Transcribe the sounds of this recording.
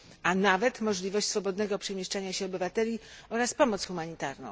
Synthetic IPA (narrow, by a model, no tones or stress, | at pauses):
anavɛt̪mɔʐlʲivɔɕt͡ɕʲsfɔbɔd̪nɛɡɔpʂɛmʲjɛʂt͡ʂaɲaɕɛɔbɘvat̪ɛlʲiɔɾaspɔmɔt̪sxumaɲit̪aɾnɔ̰̃w̃